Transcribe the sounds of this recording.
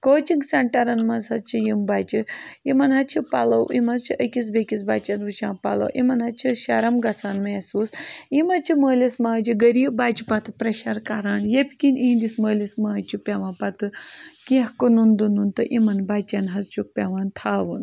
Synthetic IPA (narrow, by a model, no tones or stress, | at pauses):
koːt͡ʃiŋɡsɐɳʈɐɾɐnmɐnzɦɐt͡ʃʰijimbaːt͡ʃiimɐnɦɐt͡ʃʰipɐlɐwimɐzt͡ʃʰiʔɐkʲis̬bekʲisbaːt͡ʃanʋut͡ʃʰãːpɐlɐ̰wʔḭmɐnɦɐt͡ʃʰiʃɐɾɐmɡɐt͡saːnmeːsuːsimɐt͡ʃʰiməːlismaːd͡ʒiɡɐɾiːbaːt͡ʃi̥pɐt̪ʰɨpɾɐʃɐɾkɐɾaːɳjepʲikʲinind̪isməːlismɐːt͡ʃʰipʲeʋaːnpɐt̪ɨkihkonund̪ununt̪ɨʔimɐnbaːt͡ʃɐnɦɐzt͡ʃʰuk̚pʲeʋaːnt̪ʰaːʋun